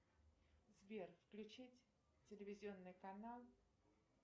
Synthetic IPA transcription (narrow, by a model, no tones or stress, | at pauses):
zvʲerfklʲʉt͡ɕitʲ | tʲɪlʲɪvʲɪzʲɪo̞nːɨjkɐnalˠ